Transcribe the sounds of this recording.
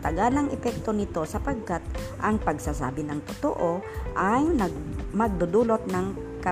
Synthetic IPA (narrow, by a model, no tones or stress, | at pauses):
t̪ɐɡaːlɐŋʔɛpɛk̚t̪o̞nɪt̪o̞sɐpɐɡ̚kat̪̚ʔɐŋpɐɡsasa̰ːbɪnɐŋt̪ot̪oʔoʔajnɐmɐɡ̚d̪ʊd̪uːlot̪̚nɐŋ | kɐ